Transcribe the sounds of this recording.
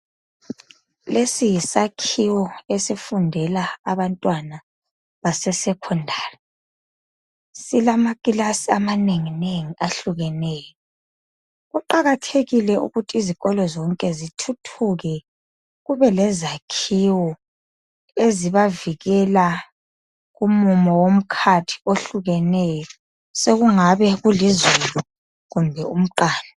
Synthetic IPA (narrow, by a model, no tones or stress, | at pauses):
lesijisakʰiwɔesifundʱɛlaːβantʼwana | βasɛsɛkʰɔndʱari | silamaɣʼilasiamaneŋineŋiʔaɬuɣɛnɛːjɔ | ɣuǃaɣatʰeɣilɛṵɣutʰiziɣɔlɔzɔŋkʼɛzitʰutʰuɣɛ | ɣuβɛlɛzakʰiwɔ | eziβaviɣɛla | ɣumumɔwom̩kʰatʰi̥oɬuɣɛnɛjɔ | seɣuŋaβɛɣulizulu | ɣumbʱɛum̩ǃaːla